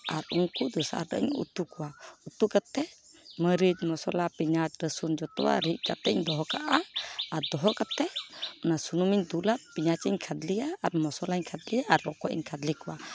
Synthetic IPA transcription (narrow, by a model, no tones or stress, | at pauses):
aɾuŋkud̪əsa̰a̰ɾdə̰ʔɲṵt̪ukuwaut̪ukat̪ɛ | məɾid͡ʒmɔsɔlapiɲat͡ʃɾəsund͡ʒɔt̪ɔ̰wa̰ɾiʔkat̪ɛɲd̪ɔɦɔkaʔaːɾd̪ɔɦɔkat̪ɛɔnasunumiɲd̪ulapiɲat͡ʃiɲkʰad̪lijaːɾmɔsɔlaɲkʰad̪lijaːɾːɔkɔʔḭɲkʰad̪likuwa